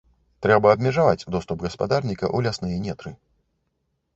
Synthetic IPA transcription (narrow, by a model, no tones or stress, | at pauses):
t̪ɾɛbɐːbmʲɛʐavat͡sʲd̪ɔst̪upɣɐspa̰d̪arnʲikɐ̰ʔulʲasnɨjɛnʲɛt̪ɾɨ